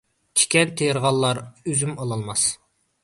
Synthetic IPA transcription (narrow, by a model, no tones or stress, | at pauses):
t͡ʃʰi̥kʲɛnt̪ʰːejəɾʁɑlˠːɑɾøzymɑlˠɑlˠmɑs